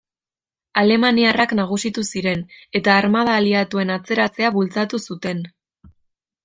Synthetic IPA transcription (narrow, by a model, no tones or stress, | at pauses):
ale̞maniaraknaɣ̞usit̪usiɾe̞ne̞t̪aːɾmað̞aːliat̪ue̞nat͡se̞ɾat͡se̞aβult͡sat̪usut̪e̞n